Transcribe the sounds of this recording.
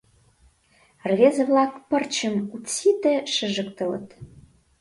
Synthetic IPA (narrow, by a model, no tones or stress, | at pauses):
rvʲezə̆vlɑkpə̆rt͡ɕəmut͡sːit̪eʃə̆ʒəkt̪ə̆lə̰̆t̪